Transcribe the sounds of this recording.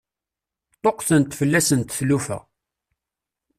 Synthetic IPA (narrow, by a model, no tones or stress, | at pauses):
t̪ˤːoqːθənt̪fəlːæsənt̪θlufæ̰